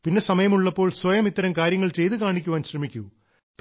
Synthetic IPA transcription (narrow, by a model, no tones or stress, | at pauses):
pinːe̞sɐmɐjɐmuɭːɐpːo̞ːɭswɐjɐmit̪ːɐɾɐmkaːɾjɐŋːɐɭt͡ɕe̞jt̪ɨkaːɳikʲːuʋaːnɕrɐmikʲːu | t̪